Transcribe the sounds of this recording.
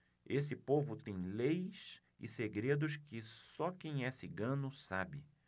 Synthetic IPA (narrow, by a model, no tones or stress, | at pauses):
esɪpovʊt̪ẽj̃lejs | ɪ̰seɡɾed̪ʊskɪsɔkẽj̃ɛsɪɡɐ̃nʊsabɪ